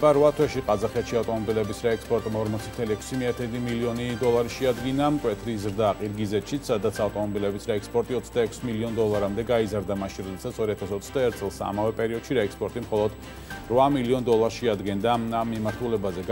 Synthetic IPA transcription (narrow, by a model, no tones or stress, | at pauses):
aɾvat̪ʰwɛʃiqʼazaχɛt̪ʃiaft̪ʼɔmɔbilɛbisɾaɛkspʼɔɾt̪ʼmɔɾmɔt̪sʰit̪ʰɛliɛkʰʷsimiat̪ʰɛd̪imiliɔnid̪ɔlˠaɾiʃɛad̪ɡinamkʼwɛt̪ʰɾizɾd̪aːqʼiɾɡizɛt̪ʃit̪sad̪at̪sʰaft̪ʼɔmɔbilɛbisɾaɛkspʼɔɾt̪ʼiɔt̪sʰd̪aɛkʷʰsmiliɔnd̪ɔlˠaɾamd̪ɛɡaizaɾd̪amaʃinɾɔd̪ɛsat̪sʰɔɾiat̪ʰasɔt̪sʰd̪aɛɾt̪̚ʰsʼɛlˠsa̰mavɛpʼɛɾiɔd̪̥ʃiɾaɛkspʼɔɾt̪ʼimχɔlˠɔd̪̥ | ɾvamiliɔnd̪ɔlˠaɾʃɛad̪ɡɛnd̪aamːimaɾt̪ʰulɛbazɛɡ